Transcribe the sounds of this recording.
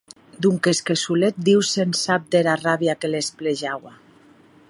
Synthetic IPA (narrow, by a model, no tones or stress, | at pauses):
d̪uŋkeskesulet̪̚d̪iwsensap̚d̪eɾaraβjakelespleʒawa